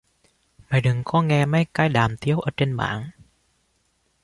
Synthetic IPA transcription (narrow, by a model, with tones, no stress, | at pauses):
ma˨˩jɗɨ˨˩ŋkɔ˧˦ŋɛ˧ma˧˦˥jkaː˧˩jɗaː˨˩mt̪i˦əwʔə̰ː˧˩˦t͡ɕe˧nɓa̰ː˧˦ŋ